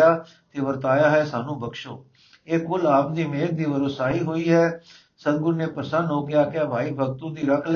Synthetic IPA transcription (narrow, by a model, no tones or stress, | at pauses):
aː | t̪eːʋəɾt̪aːjaːɦɛːsaːnũːbʱəkʃo̰ː | eːkkʊlaːpd̪iːmeːnd̪iːʋəɾoːsaːɦiːɦoːiːɦɛː | səd̪̚ɡʊɾneːpɾəsənɦoːkɪjaːkɪjaːbʱaːiːbʱəɡt̪ũːd̪iːɾəkʰl